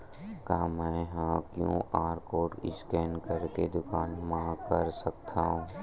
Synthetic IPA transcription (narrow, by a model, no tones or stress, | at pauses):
kaãmɛ̃ːɦãkjõ̰aːɾkoːʈɪskɛːnkəɾked̪ʊkaːnmãkəɾsəkt̪ʰaːɦũː